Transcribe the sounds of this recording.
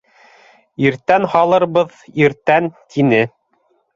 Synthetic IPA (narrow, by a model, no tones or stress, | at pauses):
iɾt̪ænhɑlˠɤ̆ɾβɤð | iɾt̪ænt̪ʰinɘ